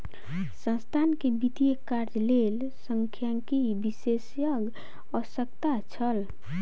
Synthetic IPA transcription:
sə̃nst̪ʰankebit̪ijekaɾd͡ʒlel | səŋkʰjaŋkibisesjəɡ | əsəkt̪at͡ʃʰəl

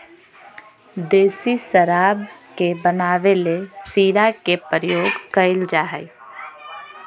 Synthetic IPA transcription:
d̪eːsisəɾaːbkebənaːʋelesiːɾakepəɾəjoːɡkəɪld͡ʒaːɦɛɪ

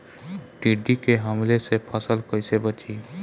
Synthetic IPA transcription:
ʈiɖikeɦəmlesepʰasəlkɔjsebət͡ʃʰi

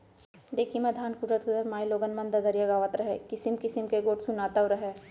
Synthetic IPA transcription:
ɖ̪eːkʰimẽd̪ʱaːnkud̪ɾət̪ked̪əɾmaːiloːɡənmɐ̃nd̪ɐzəɾijaɡaːʋət̪ɾɐɦḛkɪsɪmkɪsɪmkeɡoːʈsunaːt̪aoɾɐɦeː

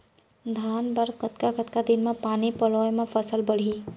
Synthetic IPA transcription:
d̪ʱaːnbəɽkət̪kakət̪kad̪inmẽpaːnipəlɔːjmepʰəsəlbəɽ̤i

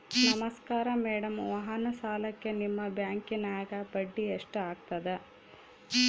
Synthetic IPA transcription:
nɐmɐskaːɾɐmeːɽɐmʋɐɦɐnɐsaːlɐkːe̞nimːɐbjaːŋkinaːɡɐpɐɖːieʂʈaːɡ̚t̪ɐd̪e

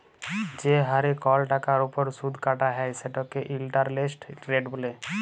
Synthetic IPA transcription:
d͡ʒeɦaɾekɔlʈakaɾupɔɾsud̪ʱkaʈaɦɛjseʈɔkeʔilʈaɾlesʈɾeɖbole

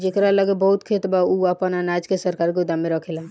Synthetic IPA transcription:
d͡ʒekɾaləɡebəɦut̪kʰet̪bauəpənanad͡ʒkesəɾkaɾked̪ameɾəkʰela

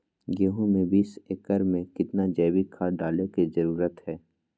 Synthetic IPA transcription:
ɡeːɦõmẽbiseːkəɾmẽkɪt̪nad͡ʒɛːbikʰaɖaːlekizɐɾuːɾət̪ɦɛː

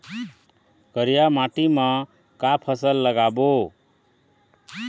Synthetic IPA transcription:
kʌɾijamaʈima | kapʰʌsʌlːʌɡabo

